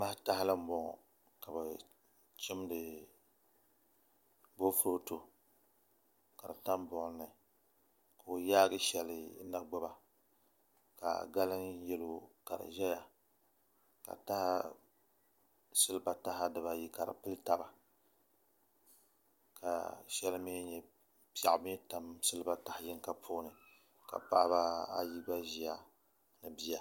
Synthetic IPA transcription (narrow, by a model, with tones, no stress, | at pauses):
ma˦hta˦hɪ˦lɨ˦m̩˦bɔ˨ŋ˨ | ka˨ba˨ | t͡ʃɪ˦mdɨ˨ | bo˦fʊ˦ɾo˦to˨ | ka˨ɾa̰˨ta˦nbɔ˨ʔnɨ˨ | ka˨o˨jaː˦ɡɨ˦ʃɛ˨lɨ˨˦na˦ɡ͡ba˦ba˨ | ka̰˨ɡa˦lɨ˦njɛ˦lo˦˨ka˨ɾɨ̰˨ʒɛ˦ja˨ | ka̰˨ta˦ha˦ | sɨ˦lɨ˦ba˨ta˦ɦa˦dɨ˨ba˨ji˦ka˨ɾa̰˨pɨ˦lta˦ba˨ | ka̰˨ʃɛ˦lmi˦ɲɛ˨ | pa˨ʔbɛ˦ta˨msɨ˦lɨ˦ba˦ta˨hɪ˨jɪ˦ŋ˦ka˨pʰo˦nɨ˨ | ka̰˨pa˦ba˦a̰˦ji˦ba˦ʒi˨ja˦ | nɨ˨bi˦ja˨